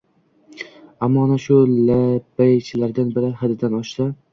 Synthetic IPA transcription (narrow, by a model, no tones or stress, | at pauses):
amːɒnaʃʊlabajt͡ʃʰɪlaɾd̪anbɪɾɪhad̪ɪd̪anɒʃsa